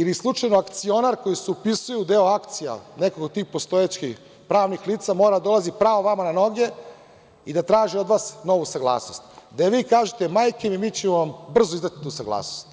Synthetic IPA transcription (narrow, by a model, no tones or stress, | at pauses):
ilislˠut͡ʂajnoakt̪sio̞naɾko̞jiseupisujuud̪eoakt̪sija̰nekokot̪ːiːxpost̪o̞jet͡ɕkix | pɾaːʋnixliːt̪samoɾad̪ad̪olazipɾaːʋoʋamanano̞ɡe̞ | id̪at̪ɾaːʒiod̪ʋaːsnoʋusaɡlˠa̰ːsno̞st̪d̪aʋiːkaːʒet̪emaːjkemimiːt͡ɕemoʋambr̩zoizat̪i̥t̪uːsaɡlˠa̰ːsnost̪